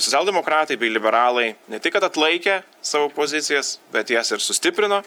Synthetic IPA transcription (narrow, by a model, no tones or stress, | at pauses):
sot͡sʲsʲælˠʲd̪ʲɛmoːkɾɑːt̪ɐɪbʲɛɪlʲɪbʲɛɾɑːlˠɐɪnʲɛt̪ʲɪkːɐt̪ɐt̪lˠɐɪkʲɛ | sɑːʋoːpoːzʲɪt̪sʲɪjɛsbʲɛt̪jɛːsɪɾsʊsʲt̪ʲɪpʲɾʲɪnoː